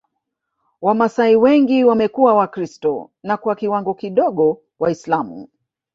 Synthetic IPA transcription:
wamasaiwɛŋɡiwamɛkuwawakɾistɔ̰ | nakwakiwaŋɡɔkiɗɔɠɔ | waislamṵ

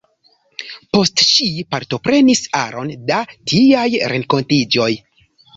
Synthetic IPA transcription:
po̞stʃipaɾto̞pɾe̞nisa̰ɾo̞̰ndatʰiajɾe̞ŋko̞ntid͡ʒo̞j

